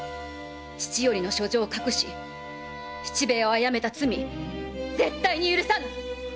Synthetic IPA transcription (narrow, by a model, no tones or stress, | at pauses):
t͡ɕi̥t͡ɕijo̞ɾʲino̞ɕo̞d͡ʑo̞ːkakɯ̟ɕi | t͡ɕi̥t͡ɕibe̞ːo̞ajame̞t̪at͡sɨmʲi | d͡ze̞t̪ːaiɲ̟ijɯ̟ɾɯ̟sãn